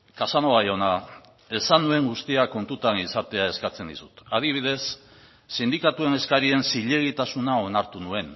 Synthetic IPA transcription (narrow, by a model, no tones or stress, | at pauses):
kasanoajo̞na | e̞sanue̞ŋɡust̪iako̞nt̪ut̪anisat̪e̞ae̞skat͡se̞nd̪isu̥t̪að̞iβ̞iðe̞sː | ind̪ikat̪ue̞ne̞skaɾie̞nsiʎe̞ɣ̞it̪asunao̞naɾt̪unue̞n